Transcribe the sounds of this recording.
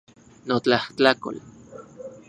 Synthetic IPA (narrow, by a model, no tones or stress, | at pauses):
not͡ɬaht͡ɬako̰l